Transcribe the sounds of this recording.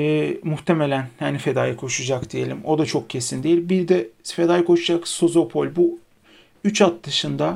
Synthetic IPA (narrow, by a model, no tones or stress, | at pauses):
ɛːmuht̪ʰemelʲænhanife̞d̪aːjɯkʰo̞ʃud͡ʒakd̪ije̞lʲimo̞d̪at͡ʃʰo̞k̚cʰe̞sind̪ejilʲmbiɾd̪ɛfe̞d̪aːjɯkʰo̞ʃud͡ʒakso̞zo̞pʰo̞lʲbu | yt͡ʃʰat̪̚d̪ɯʃɯnd̪a